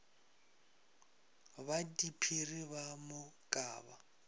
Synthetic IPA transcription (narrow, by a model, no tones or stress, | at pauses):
βadipʰiriβamʊkʼa̰ːβa